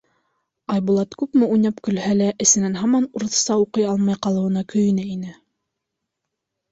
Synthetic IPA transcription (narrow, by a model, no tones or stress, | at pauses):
ɑjbulˠɑt̪kʉpmɘujnæpkɵ̆lhælæʔɘ̆sɘ̆nænɦɑmɑnuɾɤ̆θsɑuqɤjɑlˠmɑjqɑlˠɤ̆wɤ̆nɑkɵ̆jɘ̆nɘinɘ